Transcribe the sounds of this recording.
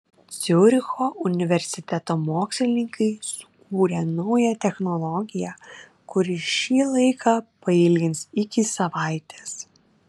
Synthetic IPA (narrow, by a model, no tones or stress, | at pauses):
t̪sʲʊɾʲɪxoːʔʊnʲɪʋʲɛɾʲsʲɪt̪ʲɛt̪oːmoːksʲlʲɪnʲɪŋkɐɪsʊ̥kuːɾʲɛnɐʊjɛt̪ʲɛxnɔlˠɔɡʲɪjɛ | kʊɾɪʃʲiːlˠɐɪkʰɑːpɐɪlʲɡʲɪnsɪkʲɪsɐʋɑˑɪt̪ʲeːs